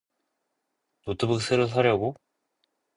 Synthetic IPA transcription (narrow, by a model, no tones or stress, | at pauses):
notʰɯbɯk̚s͈ʰeɾosʰaɾjʌɡo